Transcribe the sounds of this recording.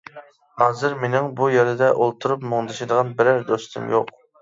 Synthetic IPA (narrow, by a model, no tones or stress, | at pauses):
hɑːzɨɾmenɪŋbujeɾɪd̪ɛʔolˠt̪ʰuɾupmoŋd̪ɨʃɪd̪əʁɑnbɪɾæɾd̪ost̪ʰɨ̰mjo̰q